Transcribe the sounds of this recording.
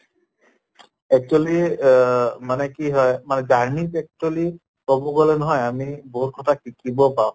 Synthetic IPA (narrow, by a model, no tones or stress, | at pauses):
ɛk̚t͡ʃuali | manɛkiɦɔjmanɛdaɹmipɛk̚tali | kɔbɔɡolɛnɔɦɔjamiboɦut̚kʰɔtʰakikibɔpaʊ̃